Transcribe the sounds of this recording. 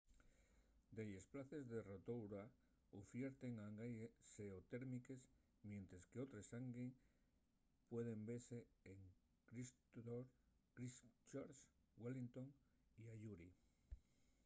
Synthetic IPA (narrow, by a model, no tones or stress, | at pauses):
d̪eʎesplaθe̞zðerot̪owɾa | ofjeɾt̪eŋaŋɡajeseot̪eɾmike̞s | mje̞nt̪ɾeskeot̪ɾesaŋɡeŋ | pwe̞ð̞e̞mbe̞ɾseːŋ | kɾist̪oɾ | kɾist͡ʃaɾs | walint̪o̞ŋ | iaʎuɾi